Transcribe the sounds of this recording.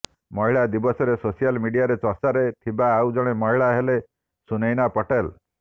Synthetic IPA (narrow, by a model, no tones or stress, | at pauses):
mɔɦiɭad̪ibɔsɔɾesosijalmiɖijaɾet͡ʃɔsaɾet̪ʰibaːwd͡ʒɔɽ̃emɔɦiɭaɦele | sunejnapɔʈel